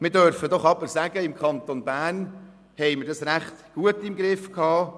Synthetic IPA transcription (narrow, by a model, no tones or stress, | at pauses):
mɪɾdœɾfədɔχɑbəɾsæɡ̥əɪmkχɑnt̪onbæːrn | hɛɪməɾdɑsɾæχt̪ɡ̥uətːɪmɡɾɪfkʰɑː